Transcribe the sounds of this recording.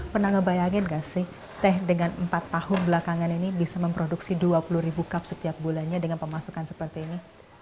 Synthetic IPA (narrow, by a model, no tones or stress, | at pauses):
pənaŋəbajaŋɪnɡaʔsɪh | t̪ɛɦdəŋanəmpat̪ːahʊnbəlakaŋaninibisaməmpɾoduksiduapuluɾibukap̚sət̪iap̚bulanɲadəŋanpəmasukansəpərt̪iːni